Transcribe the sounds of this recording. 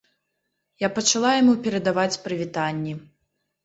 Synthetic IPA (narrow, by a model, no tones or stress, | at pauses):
japɐt͡ʂalˠajamupʲɛɾɐd̪avat͡sʲpɾɨvʲit̪anʲːi